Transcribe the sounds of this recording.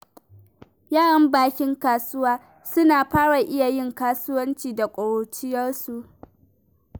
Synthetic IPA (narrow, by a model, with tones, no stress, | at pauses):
jaː˦ɽɐ˨mbaː˨kʲɪ˦ŋkaː˨sʊ˦waː˦ | sʊ˦naː˨ɸaː˦ɽa˨ʔɪ˦ja˨jɪ˦˨ŋkaː˦sʊ˦wɐ˦nt͡ʃiː˨da˨kʷʼʊ˨ɽoː˨t͡ʃɪ˦jɐ˦rsu˨ʔ